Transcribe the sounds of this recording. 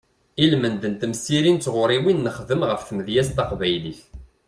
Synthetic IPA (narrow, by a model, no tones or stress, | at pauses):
ilmənd̪ənt̪əmsiɾint͡sːʁʊɾˤiwinːəχðəmʁəfθəmðjæst̪ɑqvæjliθ